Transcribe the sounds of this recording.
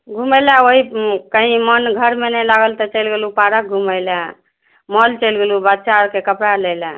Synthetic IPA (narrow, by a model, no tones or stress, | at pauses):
ɡʱuməjlaoɦikəɦĩmənɡʱəɾmenɛlaɡəlt̪ət͡ʃəjlɡelupaɾək̚ɡʱuməɪla | mɔlt͡ʃəlɡelubatːt͡ʃaɾkekəpɽaləla